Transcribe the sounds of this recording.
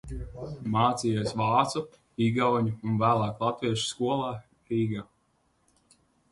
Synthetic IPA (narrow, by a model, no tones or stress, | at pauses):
maːt̪sijesvɑːt̪su | iɡawɲuːnvæːlˠaːklˠat̪viɛʃskuɔlˠaː | ɾiːɡa